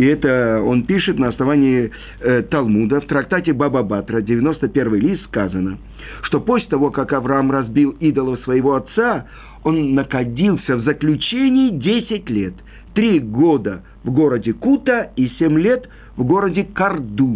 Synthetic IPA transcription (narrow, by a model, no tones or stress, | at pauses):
ɪɛt̪əo̞npʲiʂɨt̪nəɐsnɐvanʲɪɪ | t̪ɐlˠmud̪əft̪ɾɐkt̪atʲɪbababat̪ɾədʲɪvʲɪno̞st̪əpʲe̞rvɨjlʲist̪skazənə | ʂt̪o̞posʲlʲɪt̪ɐvo̞kakɐvɾɐamrɐzbʲilˠid̪əlˠəsvəjɪvo̞ɐt̪sa | o̞nːəxɐdʲilˠsʲəvzəklʲʉt͡ɕenʲɪɪdʲesʲɪtʲlʲet̪ː | ɾʲiɡod̪ə | vɡo̞ɾədʲɪkut̪əisʲemʲlʲet̪ | vɡo̞ɾədʲɪkɐrd̪u